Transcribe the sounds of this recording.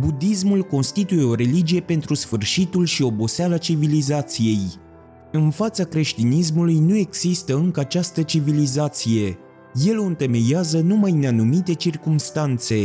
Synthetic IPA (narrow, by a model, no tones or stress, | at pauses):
bud̪is̬mulko̞nst̪it̪uje̞o̞ɾe̞lid͡ʒije̞pe̞nt̪ɾusfɨrʃit̪ulʃio̞bo̞sealat͡ʃivilizat̪sije̞j | ɨnfat̪sakɾe̞ʃt̪inis̬mulujnue̞ɡz̥ist̪əɨŋkəat͡ʃast̪ət͡ʃivilizat̪sije̞ | je̞loɨnt̪eme̞jazənumajneanumit̪e̞t͡ʃirkumst̪ant̪se̞